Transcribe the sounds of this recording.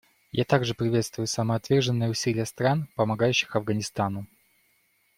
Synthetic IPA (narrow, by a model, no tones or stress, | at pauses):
ja̰t̪aɡʐɨpɾʲɪvʲe̞t̪st̪vʊjʊsəməɐt̪vʲe̞rʐɨnːɨjəʊsʲilʲɪjəst̪ɾanpəmɐɡajʉɕːɪ̥xɐvɡənʲɪst̪anʊ